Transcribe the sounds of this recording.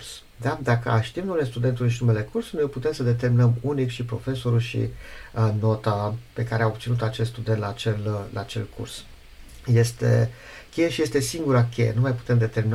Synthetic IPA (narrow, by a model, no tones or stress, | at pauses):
rs | d̪ad̪akə̰aʃt̪imnumele̞st̪ud̪e̞nt̪ulʃ̬inume̞le̞kursunojput̪e̞msəd̪e̞t̪̬e̞rminəmunikʃipɾo̞̰fe̞so̞ɾulʃḭəno̞t̪ape̞kaɾeaob̚t̪sinut̪at͡ʃest̪st̪ud̪e̞nt̪laːt͡ʃella̰ːt͡ʃe̞̰lkʰṵrs | je̞st̪ḛ | kʲe̞jeʃije̞st̪e̞siŋɡuɾakʰʲe̞̰jenumajpu̥t̪e̞md̪e̞t̪e̞rɾmin